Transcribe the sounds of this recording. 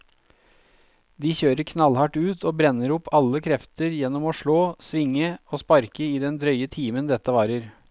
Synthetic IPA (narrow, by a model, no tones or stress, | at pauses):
d̪iːçøːɾəɾkʰnɑlhɑʈʉːt̪ʰoːbɾɛnːəɾʊpʰːɑlːəkʰɾɛft̪əɾjɛnːɔmoːʂɭoːsʋɪŋːəoːspɑɾkəiːd̪ɛnd̪ɾœʏət̪ʰiːmənd̪ɛt̪ːəʋɑːɾəɾ